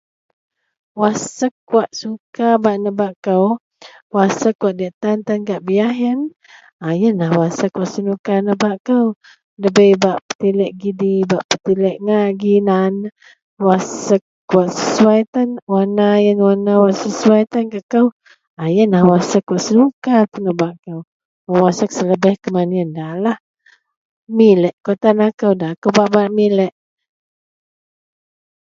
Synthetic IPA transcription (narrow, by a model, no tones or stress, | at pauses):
wasəkːuaʔsukabaʔnəbaʔkəw | wasəkːwaʔ̪̚diaʔt̪ant̪ankaʔbiaɦən | ajənlahwasəkːwaʔsənukanəbaʔkəw | ləbəjbaʔpə̥t̪ilɛʔɡidibaʔpət̪ilɛʔŋaʔɡinan | wasəkː | waʔsəsuajt̪ənwanajənwanawaʔsəsuajt̪ənkəkəw | ajənlahwasəkːwaʔsəlukat̪ənəbaʔkəw | əwasək̚sələbɛhkəmaniəndalah | milɛʔkot̪anakəwdaakəbaʔbaʔmilɛʔ